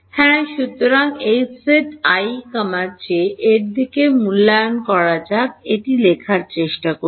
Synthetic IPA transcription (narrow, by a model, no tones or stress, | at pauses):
hɛ̃ʃut̪ːoɾaŋejseʈajkɔmaɾt͡ɕeʔeɾd̪ʱikemulːaonkɔɾad͡ʑakeʈilekʰaɾt͡ɕeʃʈako